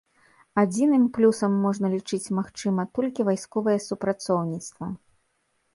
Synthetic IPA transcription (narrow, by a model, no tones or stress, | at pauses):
ad͡zʲinɨmplʲusɐmːɔʐnɐlʲit͡ʂɨt͡sʲmaxt͡ʂɨmɐt̪ɔlʲkʲivajskɔvɐjɛsupɾat̪sɔwnʲit̪st̪vɐ